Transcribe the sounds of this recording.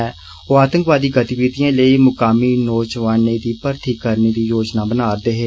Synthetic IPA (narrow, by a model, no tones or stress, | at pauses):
oːaːt̪ə̃ŋkʋaːd̪iːɡət̪iʋiːd̪ijãːləiːmʊkaːmiːnoːt͡ʃʋaːneːd̪iːpəɾt̪ʰiːkəɾneːd̪iːjoːd͡ʒnaːbənaːɾd̪eːɦeː